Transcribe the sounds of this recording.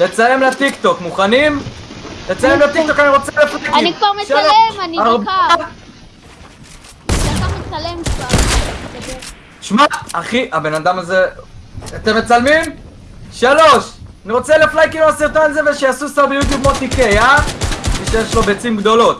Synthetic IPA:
le̞t͡saje̞mlat̪ikt̪o̞kmuχanimle̞t͡sajemlat̪ik̚t̪o̞kaniʁo̞t͡seleflajkiikvaʁʃalonaʁba | amet͡salmkva | ʃmaːχiʔabe̞nad̪amaze | at̪emːet͡salmim | ʃaloʃaniʁo̞t͡seleflajkiloasiʁt̪onzeveʃejasusabjut̪jub̚mot̪ikejamiʃejeʃlo̞bet͡simɡd̪o̞lo̞t̪

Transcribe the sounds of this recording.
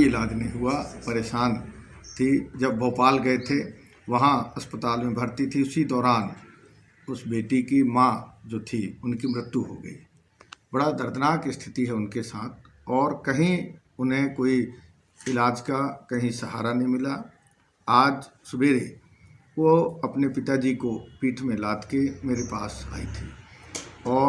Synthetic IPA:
iɪlaːd͡ʒnĩɦʊapɐɾeːʃaːn | t̪ʰid͡ʒɐbːɔːpaːlɡɐet̪ʰe | ʋɐɦãɐspət̪aːlmẽbʱɐɾt̪it̪ʰiʊsid̪ɔːɾaːn | ʊsbeːʈikimãd͡ʒoːt̪ʰiʊnkimɾɪt̪juɦo̰ɡə̰ḭ | bɐɽad̪əɾd̪ənaːkɪst̪ʰɪt̪iɦɛʊnkesaːt̪̚ʰɔːɾkɐɦĩ | ʊnɦẽkoːi | ɪlaːd͡ʒkakɐɦĩsəɦa̰ːɾanɐɦĩmɪla | aːd͡ʒsʊbeːɾe | ʋoɐpnepɪt̪ad͡ʒiːkopiːʈʰmẽlaːd̪kemeːɾepa̰ːsa̰ːḭt̪ʰiː | ɔː

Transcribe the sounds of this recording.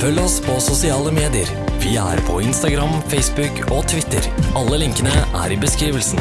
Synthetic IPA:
fœlːɔspʰɔsʊsɪɑːləmeːd̪ɪəɾ | ʋɪæ̰ɾpʰɔ̰ɪnst̪ɑɡɾɑmfɛɪsbʉkɔt̪ʰʋɪt̪ə̰ɾɑlːəlɪŋkənəʔæ̰ɾɪbəskɾiːʋəlsn

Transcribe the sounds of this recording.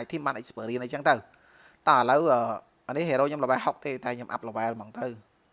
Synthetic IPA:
c̚t̪ʰiəmɓaːnʔəc̚spəːɾiənʔəjt͡ɕəŋt̪əw | t̪aːʔələwʔəː | ʔnihɦeːɾoːɲomləʋaɛlɦok̚t̪eːt̪aɛɲomʔa̰p̚ləʋaɛlmɑŋt̪əw

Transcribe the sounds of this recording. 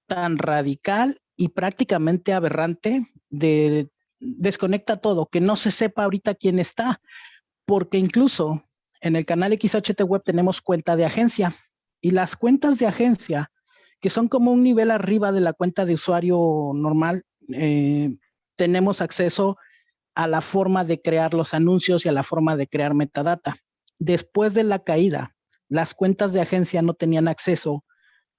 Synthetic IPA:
t̪anraðikal | ipɾak̚t̪ikamẽ̞nt̪e̞aβe̞rant̪e̞ | d̪e | d̪e̞sko̞ne̞k̚t̪at̪o̞ðo̞ke̞no̞se̞se̞paːoɾit̪akje̞ne̞st̪a | po̞ɾke̞iŋkluso̞ | e̞ne̞lkanalekisot͡ʃet̪ewe̞β̚t̪e̞ne̞mo̞skwe̞nt̪að̞eaxe̞nsja | ilaskwe̞nt̪azðe̞axe̞nsja | ke̞so̞ŋko̞mo̞unːiβ̞e̞lariβaðe̞lakwe̞nt̪aðe̞uswaɾjo̞no̞ɾmal | e | t̪e̞ne̞mo̞sakse̞so̞ | alafo̞ɾmaðe̞kɾeaɾlo̞sanũnsjo̞sialafo̞ɾmaðe̞kɾe̞aɾme̞t̪aðat̪a | d̪e̞spwe̞zðe̞lakaiða̰ | laskwe̞nt̪azðeaxe̞nsjano̞t̪e̞nianakse̞so̞

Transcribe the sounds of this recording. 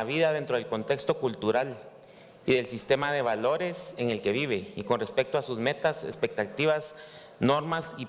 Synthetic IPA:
aβiðaðe̞nt̪ɾo̞ð̞elko̞nt̪e̞kst̪o̞kult̪uɾal | iðe̞lsist̪e̞mað̞e̞βalo̞ɾe̞se̞ŋe̞lke̞βiβ̞e̞iko̞nre̞spe̞k̚t̪oasuzme̞t̪asḛspe̞k̚t̪at̪iβas | no̞ɾmasi

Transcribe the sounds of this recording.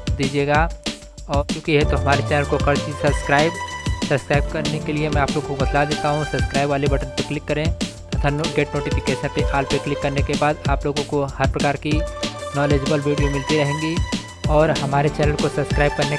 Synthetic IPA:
d̪iːd͡ʒieːɡa | ɔːɾkjõːkiɦɛt̪oɦɐmaːɾet͡ʃɛːnəlkokɐɾt͡ʃiːzsɐbskɾaːɪbsɐbskɾaːɪb̚kɐɾnekeliemɛ̃aːploːɡõkobɐd̪lad̪eːt̪aɦũsɐbskɾaːɪbʋaːlibɐʈənpɐklɪkːɐɾẽt̪ɐt̪ʰaːnɡeːʈnoːʈifɪkeːʃə̃npeʔaːlpeːklɪkːɐɾnekebaːd̪aːploːɡõkohɐɾpɾɐkaːɾkinɔːleːd͡ʒəbəlʋʱiːɖijomɪlt̪iɾɐɦẽːŋɡi | ɔːɾɦɐmaːɾet͡ʃɛːnəlkosɐbskɾaːɪb̚kɐɾne

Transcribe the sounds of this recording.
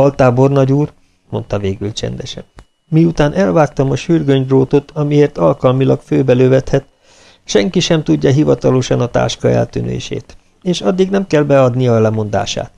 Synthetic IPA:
ɒlt̪aːbo̞rnɒɟuːr | mo̞nt̪ɒveːɡylt͡ʃɛ̰nd̪ɛʃɛ̰nː | iut̪aːnʔɛlvaːk̚t̪ɒmɒʃyrɡøɲd̪roːt̪o̞t̪ʰɒmieːrt̪ɒlkɒlmilɒkføːbɛløːvɛt̪hɛt̪ | ʃɛŋkiʃɛmt̪uɟːɒɦivɒt̪ɒloʃɒnɒt̪a̰ːʃkɒɛ̰lt̪ynḛːʃḛːt̪ | eːʃɒd̪ːiɡnɛmkɛlbɛɒd̪nijɒlɛmo̞nd̪a̰ːʃa̰ːt̪

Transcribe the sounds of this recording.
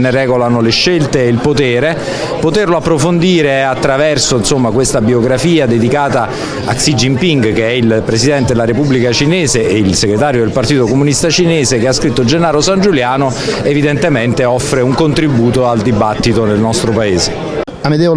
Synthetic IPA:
nerɛːɡolanoleʃːelt̪eːilpot̪eːɾe | pot̪erloapːɾofond̪iːɾeat̪ːɾavɛrsoinsomːakwest̪abioɡɾafiːad̪ed̪ikaːt̪a | a̰ksid͡ʒimpiŋɡk̟eɛilpɾesid̪ɛnt̪ed̪elaɾepubːlikat͡ʃineːzeʔːilseɡɾet̪aːɾjod̪elpart̪iːt̪okomunist̪at͡ʃineːzekeaskɾit̪ːod͡ʒenːaːɾosand͡ʒuljaːno | evid̪ent̪ement̪eɔfːɾeuŋkont̪ɾibuːt̪oald̪ibat̪ːit̪onelnɔst̪ɾopaeːze | amed̪ɛ

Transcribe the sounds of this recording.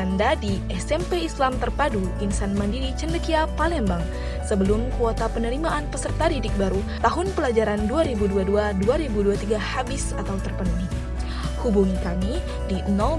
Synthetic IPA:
andadiʔɛsɛmpeislamt̪ərpadukinsanmandidit͡ʃəndəkiapalɛmbaŋ | səbəlʊmkuot̪apənəɾimaʔanpəsərt̪adidɪk̚baɾu | t̪aɦʊnpəlad͡ʒaɾanduaɾibuduaduaduaɾibuduat̪iɡahabɪsat̪awt̪ərpənuɦi | hubuŋikami | dino

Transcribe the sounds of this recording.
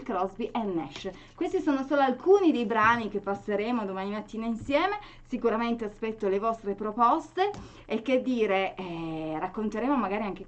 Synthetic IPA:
lkɾɔzbiʔɛnːɛʃ | kwest̪isoːnosoːloalkuːnid̪ejbɾaːnik̟epːasːeɾeːmod̪omaːnimat̪ːiːnainsjɛːme | sikuɾament̪easpɛt̪ːolevɔst̪ɾepɾopɔst̪eː | k̟ːed̪ːiːɾeɛrakːont̪eɾeːmomaɡaːɾiaŋk̟e

